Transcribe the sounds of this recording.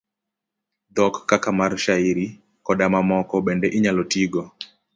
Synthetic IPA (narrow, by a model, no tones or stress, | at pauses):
d̪ɔkːakamarʃaiɾi | kɔdamamɔkɔbɛndɛʔiɲalɔtiɡɔ